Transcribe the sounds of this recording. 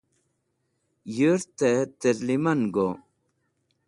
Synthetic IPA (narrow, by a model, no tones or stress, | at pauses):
jøɾt̪et̪əɾlimanɡo